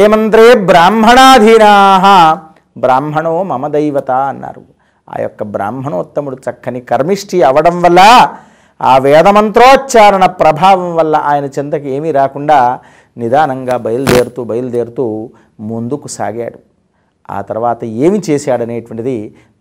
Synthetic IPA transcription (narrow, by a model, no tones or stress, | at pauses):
eːmɐnt̪ɾeːbɾaːmbʱɐɳaːd̪ʱinaːɦɐ | bɾaːmbʱɐɳoːmɐmɐd̪ɐjʋɐt̪aːɐnːa̰ːɾu | a̰ːjɔ̰kːɐbɾa̰ːmbʱɐɳoːt̪ːɐmuɽut͡ʃɐkʰːɐnikɐɾmiʂʈʰiɐʋɐɽɐmʋɐlːɐ | aːʋɛːd̪ɐmɐnt̪ɾoːtːt͡ʃaːɾɐɳɐpɾɐbʱaːʋɐmʋɐlːɐʔaːjɐnɐt͡ʃint̪ɐkeːmiɾaːkuɳɖaː | nid̪aːnɐŋɡaːbɐjɐld̪eːɾut̪uːbɐjɐld̪eːɾt̪uː | mund̪ukusa̰ːɡja̰ːɽu | a̰ːt̪ɐɾʋaːt̪ɐeːmit͡ʃeːsjaːɽɐneːʈʋɐɳʈid̪i